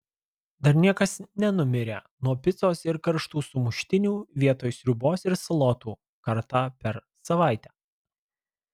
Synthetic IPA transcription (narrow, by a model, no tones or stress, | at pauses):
d̪ɐɾnʲiɛkɐsnʲɛnʊmʲɪɾʲeː | nuɔpʲɪt̪soːsɪɾkɐɾʃt̪uːsʊmʊʃʲt̪ʲɪnʲuːʋʲiɛt̪oːjsɾʲʊboːsɪɾsɐlˠɔːt̪uː | kɐɾt̪ɑːpʲɛɾ | sɐʋɑˑɪt̪ʲæː